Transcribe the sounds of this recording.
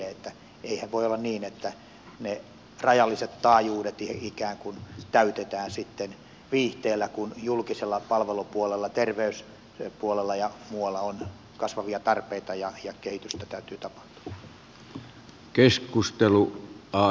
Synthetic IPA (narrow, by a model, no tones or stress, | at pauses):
eet̪ːæ | eihæʋʋoiolːɑnniːnet̪ːæ | ne | rɑjɑlːiset̪t̪ɑːjuːdet̪iikæːŋkunt̪æyt̪et̪æːnsit̪ːen | ʋiːht̪eːlːækunjulkiselːɑpɑlʋelupuolelːɑt̪erʋeys | puolelːɑjɑmuɑlːɑon | kɑsʋɑʋiɑt̪ɑrpeit̪ɑjɑjɑkehit̪yst̪æt̪æyt̪yːt̪ɑpɑ̥ht̪u̥ɑ̥ | keskust̪eluɑ